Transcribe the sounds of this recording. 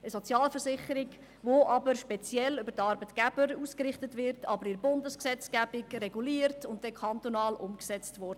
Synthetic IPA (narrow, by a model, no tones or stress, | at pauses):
əsɔt͡sjɑːlfərsɪχəɾiɡ | ʋoʔɑbəɾʃpɛt͡sjɛlʏbəɾtɑɾbətɡ̥æb̥əɾuːskɾɪχtətʋɪɾtʰɑbəɾɪɾbʊndəsksɛt͡sɡ̥æb̥ɪkrɛɡuliːərtʊntdɛkʰɑntonɑːlʔʊmksɛt͡stvɔrdə